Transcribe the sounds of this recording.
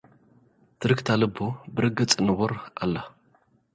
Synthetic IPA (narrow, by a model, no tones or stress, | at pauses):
t̪ʰɨɾɨkt̪ʰalɨbːobɨɾɨɡɨt͡sʼɨnɨβoɾʔa̰lːa